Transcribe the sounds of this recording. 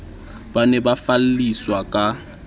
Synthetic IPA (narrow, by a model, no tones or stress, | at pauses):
banɛbafal̩liswakʼa